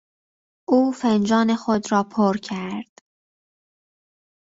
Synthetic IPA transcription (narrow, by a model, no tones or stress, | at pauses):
ʔuːfend͡ʒɒːnexod̪ɾɒːpʰoɾcʰæɾd̪̥